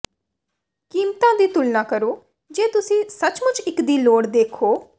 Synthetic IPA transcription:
kiːmt̪ãːd̪iːt̪ʊlnãːkəɾoː | d͡ʒeːt̪ʊsĩːsət͡ʃmʊt͡ʃɪkd̪iːloːɽd̪eːkʰoː

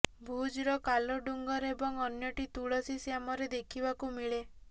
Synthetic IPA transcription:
bʱud͡ʒɾɔkalɔɖuŋɡɔɾebɔŋɔnjɔʈit̪uɭɔsisjamɔɾed̪ekʰibakumiɭe

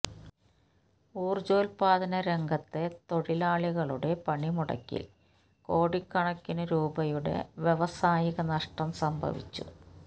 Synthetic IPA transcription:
uːrd͡ʑo̞ːlpaːd̪ɐnɐɾe̞ŋɡʱɐt̪ːe̞t̪o̞ɻilaːɭiɣɐɭuɽe̞pɐɳimuɽɐ̰kːḭl | ko̞ːɽikːɐɳɐkːinɐɾuːbɐjuɽe̞̰ʋje̞ʋɐsaːjiɣɐnɐʂʈɐmsɐmbʱɐ̰ʋḭt͡ɕːṵ

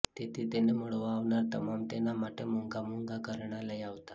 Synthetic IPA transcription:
t̪et̪ʰit̪enemuɭʋaʋɳaɾt̪əmamt̪enamaʈʰemuŋɡamuŋɡakəɾɳalajaʋt̪a

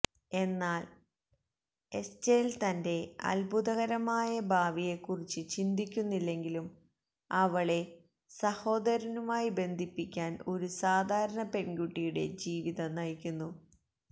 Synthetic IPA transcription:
e̞nːaːl | e̞st͡ɕeːlt̪ɐnde̞ɐ̰lbʱuðɐɣɐɾɐmaːjɐbʱaːʋije̞kːurit͡ɕːɨt͡ɕind̪ʱikʲːunːilːe̞ŋɡilum | ɐʋɐɭe̞ | sɐho̞ːd̪ɐɾɐnumaːjibe̞nd̪ʱipːikʲːaːno̞ɾusaːd̪ʱaːɾɐɳɐpe̞nɡuʈːijuɽe̞̰d͡ʑiːʋiðɐnɐjkʲːunːu

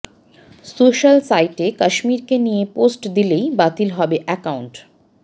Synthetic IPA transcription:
soʃalsajʈekaʃmiɾkenijeposʈd̪ilejbat̪ilɦɔbeʔɛkawɳʈ

